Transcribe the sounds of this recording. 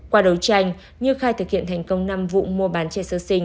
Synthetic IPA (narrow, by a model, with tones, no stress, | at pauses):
kwaː˧ɗə˨˦wt͡ɕa˧jŋ̟ | ɲɨ˧xaː˧jt̪ʰɨ˨˩k̚hḭ˧˨ənt̪ʰa˨˩jŋ̟kə˧wŋ͡mna˧mvṵ˧˨mu˧əɓaː˨˦nt͡ɕɛ˧˩səː˧sï˧ŋ̟